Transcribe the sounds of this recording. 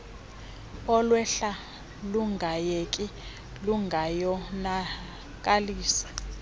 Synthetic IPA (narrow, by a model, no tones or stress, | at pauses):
ɔlwɛɬa | luŋɡʱajekʼi | luŋɡʱajɔna | k̬ʼaliːsḁ